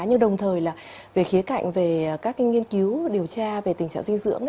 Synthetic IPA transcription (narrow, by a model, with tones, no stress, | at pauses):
ɲɨ˧ɗə˨˩wŋ͡mt̪ʰəː˨˩jlaː˨˩ve˨˩xi˨˦əka̰˧˨jŋ̟ve˨˩˨kaː˦˥kŋi˧ənki˨˦wɗi˨˩əwt͡ɕaː˧ve˨˩t̪ï˨˩ŋ̟t͡ɕa̰ː˧˨ŋzi˧ŋzɨ̰˧˥əŋ